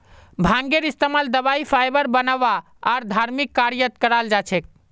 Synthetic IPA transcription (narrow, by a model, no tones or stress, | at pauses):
bʱãŋɡeɾist̪emald̪əbaipʰajbəɾbənəʋa | aɾd̪ʱaɾmikːaɾjət̪kəɾald͡ʒat͡ʃʰɛk̚